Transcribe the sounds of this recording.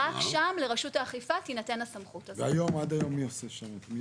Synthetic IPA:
ʔafʃamleʁaʃutaːχifatinate̞nasamχutveajo̞mad̪ajo̞mːioseʃamet̪mi

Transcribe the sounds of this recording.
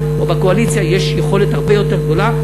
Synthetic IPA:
obeko̞alit͡sjajeʃjeχo̞lethaʁbe̞jo̞te̞ʁɡd̪o̞la

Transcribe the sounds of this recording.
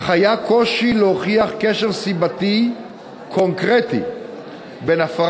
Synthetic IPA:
χajakʰo̞ʃileoχiaχkeʃeʁsibat̪i | kʰo̞ŋkʁet̪ḭ | benafa

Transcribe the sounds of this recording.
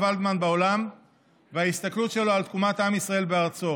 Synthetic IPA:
vald̪manbeo̞lam | veaist̪aklut̪ʃe̞lo̞alt̪̚kumat̪amisʁae̞lbe̞aʁt͡so̞

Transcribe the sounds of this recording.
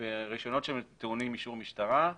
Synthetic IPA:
eʁiʃo̞no̞t̪ʃemt̪eunimːiʃuʁmiʃtaʁa

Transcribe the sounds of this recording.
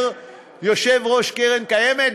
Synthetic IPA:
ʁ | joʃevʁoʃkeʁenkajemet̪

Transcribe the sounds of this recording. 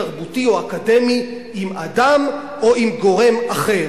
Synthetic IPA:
aʁbutioakade̞mi | imadam | o̞imɡo̞ʁe̞maχe̞ʁ

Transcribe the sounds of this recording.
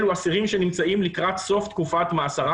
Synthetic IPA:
luasiʁimʃe̞nimt͡saimlikʁat̪so̞ft̪kufat̪maːsaʁa

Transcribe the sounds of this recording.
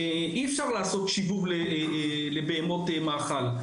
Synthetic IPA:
ʔiefʃaʁlaːso̞t̪ʃivuvle | le̞beemo̞temaːχal

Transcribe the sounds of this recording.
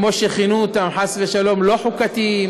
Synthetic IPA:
moʃeχinuːt̪amħasveʃalo̞mloħukat̪i

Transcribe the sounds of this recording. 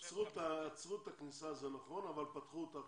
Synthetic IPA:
t͡sʁut̪at͡sʁut̪aknisazenaχʁonavalpat̪χuot̪a

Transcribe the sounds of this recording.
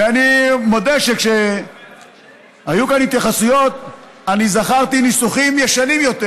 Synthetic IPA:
veanimo̞d̪eʃekʃe | hajukanhit̪jaχasujo̞t̪̚ | anizaχaʁt̪inisuχimjeʃanimjo̞t̪e

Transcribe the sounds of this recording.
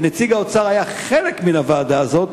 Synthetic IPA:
net͡siɡaot͡saʁajaχele̞kminavaːd̪aːzo̞t̪

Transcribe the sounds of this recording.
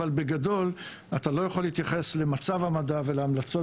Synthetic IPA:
albeɡado̞l | at̪alo̞jaχo̞liit̪jaχe̞sle̞mat͡savhamadave̞leamlat͡so̞

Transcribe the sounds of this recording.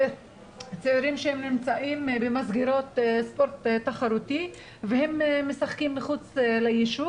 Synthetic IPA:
t͡seiɾimʃehemnimt͡saʔimbemazɡiɾo̞t̪spoɾt̪tːaχaɾut̪i | vehemmːesaχkimːiχut͡slejiʃu

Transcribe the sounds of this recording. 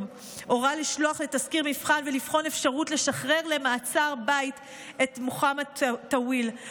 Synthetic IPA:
o̞ʁaliʃlo̞aχletaskiʁmifχanvelifχo̞nefʃaʁutle̞ʃaχʁe̞ʁle̞maːt͡saʁbait | e̞tmuχamattawil

